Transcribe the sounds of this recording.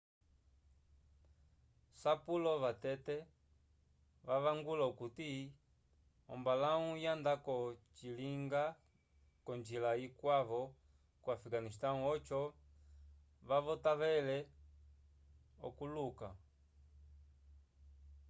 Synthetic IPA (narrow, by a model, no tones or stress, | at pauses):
sapulɔβatɛtɛ | ʋaβaŋɡulaukuti | ɔ̰mbalaũjandakɔt͡ʃiliŋɡa | kɔɲd͡ʒilaikwaβɔ | kwafiɡanistaũɔt͡ʃɔ | βaβɔtaβɛlɛ | ɔ̰kuluka̰